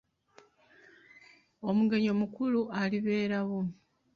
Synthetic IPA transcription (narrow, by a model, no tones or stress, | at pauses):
omuɡe̞ɲomukuluʔaliβe̞ːɾaβo